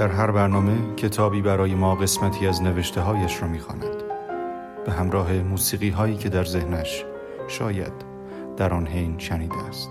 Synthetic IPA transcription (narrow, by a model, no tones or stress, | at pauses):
d̪̥æɾɦæɾbæɾnɒːme̞cʰe̞t̪ʰɒːbiːbæɾɒːje̞mɒːɣe̞smæt̪ʰiːæzne̞veʃt̪ʰe̞ɦɒːjæʃɾɒːmiːxɒ̰ːnæ̰d̪̥ | b̥e̞ɦæmɾɒːɦe̞muːsiːɣiːɦɒːiːcʰe̞d̪æɾzehnæʃ | ʃɒːjæ̰d̪̥ː | æɾɒːnɦejnʃæniːd̪eæst̪